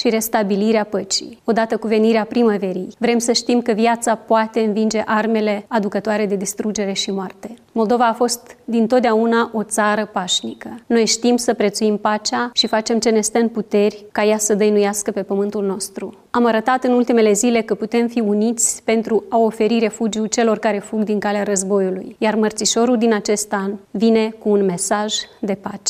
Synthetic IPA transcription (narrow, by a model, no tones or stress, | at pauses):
ʃiɾe̞st̪abiliɾeapət͡ʃḭo̞d̪at̪əkuve̞niɾeapɾimave̞ɾijvɾe̞msəʃt̪imkəvjat̪sapoat̪e̞ɨnvind͡ʒe̞ʔarme̞le̞ad̪ukət̪oaɾe̞d̪e̞d̪ist̪ɾud͡ʒe̞ɾe̞ʃimoart̪e̞mo̞ld̪o̞vaːfo̞st̪d̪int̪ot̪d̪eaunaʔo̞t̪saɾəpaʃnikəno̞jʃt̪imsəpɾe̞t̪suimpat͡ʃaʃifat͡ʃe̞mt͡ʃe̞ne̞st̪ənput̪e̞rʲkajasəd̪əjnujaskəpe̞pəmɨnt̪ulno̞st̪ɾṵ | amaɾət̪at̪ɨnult̪ime̞le̞zile̞kəput̪e̞mfiunit̪sʲpe̞nt̪ɾuao̞fe̞ɾiɾe̞fud͡ʒiut͡ʃe̞lo̞rkaɾe̞fuɡd̪iŋkaleaɾəzbo̞julṵjjarmərt̪siʃo̞ɾuld̪inat͡ʃe̞st̪anvine̞kuːnme̞saʒd̪e̞pat͡ʃe̥